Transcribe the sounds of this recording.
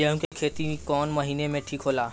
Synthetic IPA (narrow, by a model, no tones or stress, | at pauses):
jẽʋ̃ŋkekʰet̪iikɔnməɦinemeʈʰiːkʰɦola